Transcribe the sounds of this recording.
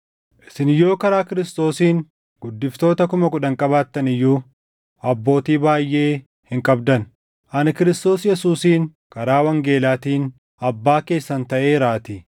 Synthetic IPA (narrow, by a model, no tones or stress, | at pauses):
ʔɪ̥sɪnjo̞ːkɐɾaːkɪɾɪst̪o̞ːsiːŋ | ɡ̥ʊd̪ːɪft̪o̞ːt̪ɐkʊmɐkʊᶑɐŋkʼɐbaːt̪ːɐnɪjːuː | ɐbːo̞ːt̪iːbaːjːe̞ː | hɪŋkʼɐbd̪ɐn | ʔɐnɪkɪɾɪst̪o̞ːsjɛsuːsiːŋ | kɐɾaːwɐŋɡe̞ːlaːt̪iːn | ɐbːaːke̞ːsːɐnt̪ɐʔe̞ːɾaːt̪ɪ